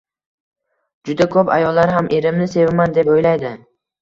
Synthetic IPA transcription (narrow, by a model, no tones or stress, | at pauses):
d͡ʒʊd̪akʰopa̰jɒlːaɾɦamʔe̞ɾɪmnɪse̞vɪmand̪e̞pojlajd̪ɪ